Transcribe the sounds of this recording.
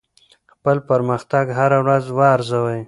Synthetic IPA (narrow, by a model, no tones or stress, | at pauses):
xpəlpaɾməxt̪aɡɦaɾawɾazwɑɾzawəj